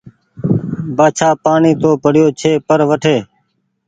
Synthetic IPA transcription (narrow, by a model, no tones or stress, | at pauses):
baːt͡ʃʰaːpaːɳiːt̪oːpəɽ̤ɪjoːt͡ʃʰeːpəɾʋəʈʰeː